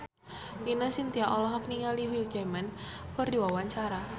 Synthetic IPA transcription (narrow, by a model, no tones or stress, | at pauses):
inəsint̪iaʔɔlɔɦɔkniŋaliɦuɡemankʊrdiwawaɲt͡ʃaɾa